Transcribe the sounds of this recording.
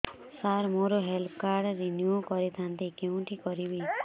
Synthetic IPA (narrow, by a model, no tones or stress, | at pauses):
saɾmoɾoɦelpʰkaɾɖɾinjukɔɾit̪ʰant̪ikew̃ɳʈikɔɾibi